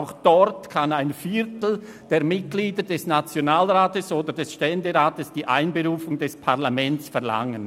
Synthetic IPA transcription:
ʊxd̥ɔɾtkʰanaɪnfiɾtl̩ | d̥eːɐmɪt̚ɡ̥liːdəd̥ɛsnat͡sjonaːlʁaːtəsoːdədɛsʃtɛndəʁaːtəsd̥iːʔa̰ɪnbeʁuːfʊŋdɛspʰaʁlamɛnt͡sfɛɐla̰ŋən

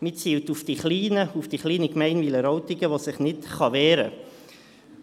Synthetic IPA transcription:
mɪt͡siːwtufd̥iχliːnəufd̥iχliːnəkmɛɪnviləɾɔwtiɡəʋosɪχnɪtχɑʋɛːɾə̰

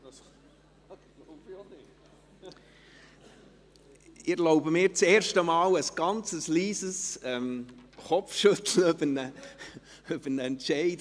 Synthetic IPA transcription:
ɪloʊbəmɪːɾt͡seːɾʃtəmɑːləsɡ̥ɑnt͡səsliːsəsɛmχɔfʃɵt̪l̩øbənə | øbənəɛntʃɛɪd

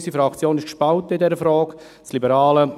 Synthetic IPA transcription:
sifɾɑkt͡sjoːnɪʃkʃpaʊtɪdɛɾəfɾɔːk | t͡slibəɾɑːlə

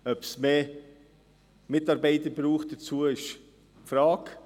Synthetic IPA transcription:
œpsmeː | mɪtɑɾbɛɪtəbɾuːxt̚d̥ɐt͡suːəɪʃ | fɾaːk

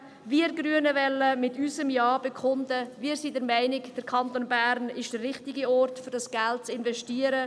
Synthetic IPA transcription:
viɾɡɾyənəvɛlːəmɪtyːsəmjɑːb̥ɛkʰʊndəviːəɾsiːdəɾmɛɪnɪkd̥əɾkʰɑnt̪onbæɾnɪʃd̥ərːɪχtɪɡiɔrtfʏɾdɑsɡ̥ælt̚t͡sɪnvɛʃtiːəɾə

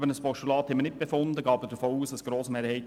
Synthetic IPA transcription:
bənəspɔʃtulɑːt̪hɛmənɪtt̚b̥efʊnd̪əɡɑːbəd̥əfoːuːsɑsɡ̥ɾoːsmeːɾhɛɪt

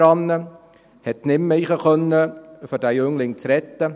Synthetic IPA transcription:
ɑnːə | hɛt̪nɪmːɛjχəχœnːəfɔdæjʏŋlɪŋt͡sɾɛt̪ːə

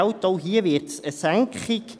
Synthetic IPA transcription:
wtoʊɦiːəvɪɾtsəsæŋkχɪk

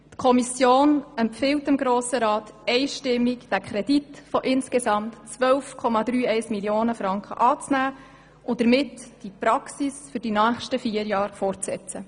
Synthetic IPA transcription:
tkʰɔmisjoːnɛmpfɪwtɪmɡɾoːsəɾɑːtɛɪʃtɪmːikd̥ækʰɾɛd̥itfɔʔɪnskesɑmtt͡sʋœwfkʰɔmɑdɾyːɛɪsmiljoːnəfɾɑŋkχə̰ʔɑːt͡snæː | ʔʊd̥əɾmɪtd̥ipɾɑksisfʏɾd̥inœːχʃtəfiːəɾjɑːɾfɔrt͡sɛ̰t͡sə

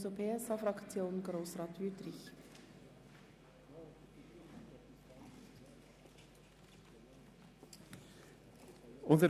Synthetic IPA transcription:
sopʰeːɛsɑfɾɑkt͡sjoːnɡɾoːsʁɑːt̪ytɾɪç | ʊntə

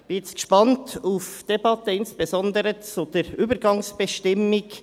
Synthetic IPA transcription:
b̥ɪɛt͡sɡ̥əʃpɑntʰufd̥ebɑtəɪnsb̥ezɔnd̪əɾət͡sud̥eːɾyːbəɾɡɑŋsb̥əʃtɪmːɪɡ

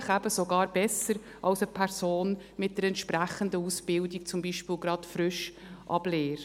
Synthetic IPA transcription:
χæbəsoɡɑːɾbɛsəɾ | ʔɑlsəpʰɛɾsoːn | mɪt̚d̥əɾɛnt̪ʃpɾæχəndəusb̥ɪldik̚t͡sʊmbiʃpɪːlɡɾɑtfɾʏʃ | ʔɑ̰b̥leːɾ

